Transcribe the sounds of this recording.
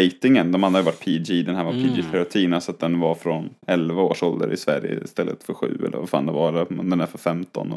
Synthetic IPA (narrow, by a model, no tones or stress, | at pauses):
eɪt̪ɪŋənd̪ɔmhanajəvaʈːpʰiːd͡ʒiːd̪ɛnɦæːɾvapʰiːd͡ʒit̪ɛɾʊt̪ʰiːnasɔat̪̚d̪ɛnvaɾfɾɔnɛlvaoːʂɔld̪ə̰ɾɪ̰svæɾjə̰ɪst̪ɛlːət̪fœɾɧʉ̟̰ːɛ̰lːə̰ɾvafa̰ːnd̪ɛvaɛnd̪ɛnæɾfœɾfɛmt̪ɔ̰nɔ